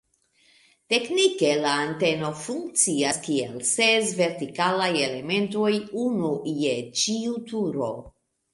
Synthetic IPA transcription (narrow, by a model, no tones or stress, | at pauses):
te̞knike̞laːnte̞no̞fuŋk̚t͡siaskielsesve̞ɾtikalaje̞le̞mẽ̞nto̞junujet͡ʃiutuɾo̰